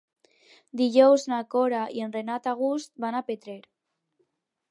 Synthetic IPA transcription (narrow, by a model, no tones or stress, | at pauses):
d̪iʎɔwznakoɾaienrenat̪aɣ̞ust̪̚banapet̪ɾeɾ